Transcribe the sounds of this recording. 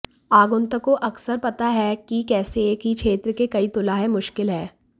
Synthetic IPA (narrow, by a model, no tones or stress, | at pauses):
aːɡʊnt̪əkoʔɐksəɾpɐt̪aɦɛkikɛːsekikʃʰeːt̪ɾəkekɐit̪ʊlaɦemʊʃkɪlɦɛː